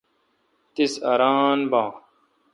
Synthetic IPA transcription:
t̪isɐ̰ɾaːnbãː

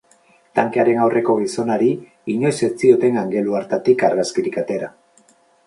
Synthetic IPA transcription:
t̪aŋkeaɾe̞nawrʔe̞ko̞ɣiso̞naɾi | iɲo̞jse̞t͡sio̞t̪e̞ŋaŋɡe̞luaɾt̪at̪ikaɾɣaskiɾikat̪e̞ɾa

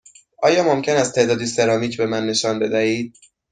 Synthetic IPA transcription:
ʔɒːjɒːmomcʰenæst̪ʰe̞ʔd̪ɒːd̪iːse̞ɾɒːmiːcʰbe̞mænːe̞ʃɒːnbe̞d̪æhiːd̪̥̚

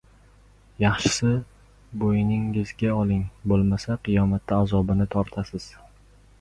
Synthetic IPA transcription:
jɑχʃɪ̥sɪ | bojnɪŋɪzɡʲaɒlˠɪŋbolˠmasaqʰɨjɒmat̪ːaːzɒbɪnɪt̪ʰɒɾt̪ʰasɪz̥

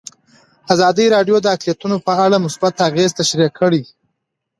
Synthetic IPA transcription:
azɑd̪əɾɑɖjod̪əaklijat̪unopəaɽamʊsbat̪aɣezt̪aʃɾikʰːəɽi

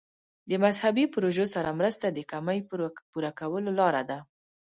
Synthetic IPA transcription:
d̪əmazhabipɾoʒosaɾamɾəst̪ad̪əkamajpuɾakawəlolɑɾad̪a

